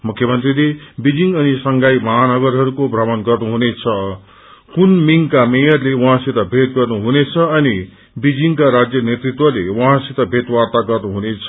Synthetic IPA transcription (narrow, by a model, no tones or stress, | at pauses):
mukʰjʌmʌnt̪rilebid͡ziŋɡʌnisʌŋɡajmʌɦanʌɡʌɾɦʌɾukobʱrʌmʌnɡʌrnuɦunet͡sʰʌ | kunmiŋkamejʌrlewʌ̃ɦãsit̪ʌbʱet̪̚ɡʌrnuɦunet͡sʰʌʌni | bid͡ziŋkaɾad͡zjʌnjet̪rit̪wʌlewʌɦãsit̪ʌbʱet̪wart̪aɡʌrnuɦunet͡sʰʌ̥